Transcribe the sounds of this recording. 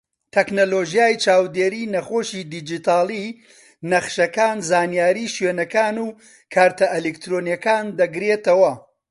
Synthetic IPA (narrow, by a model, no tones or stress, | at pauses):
t̪ʰɛknoloːʒijaːjt͡ʃʰaːwd̪eːɾiːnɐχoːʃid̪id͡ʒit̪ʰaːlˠi | nɐχʃɐkaːnzaːnijaːɾiːʃweːnɐkaːnuː | kʰaːɾt̪ʰɐʔelekt̪ɾoːnjɐkaːnd̪ɐɡɾet̪ɐwɐ